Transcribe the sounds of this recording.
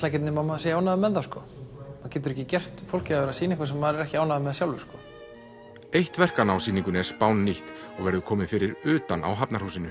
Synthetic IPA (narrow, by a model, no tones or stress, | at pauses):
tlajcɪt̪nɪmaðmaðsejawnaðamɛðθaskɔ | macɛːt̪ʏɾɛhcɪcɛr̥t̪fowl̥cɪaɛːɾasiːnɪɛhkvas̬ɛmːaðɾɛɾɛhcɪaːwnaðamɛðsjawlvɪskɔ | ejht̪vɛr̥kanawsiːniŋkʏnɛspaːwnːiht̪ | ɔɣvɛɾðʏkʰɔːmɪnfɪɾɪɾʏːt̪anʔa̰ːwɦapnaɾ̥huːsɪnʏ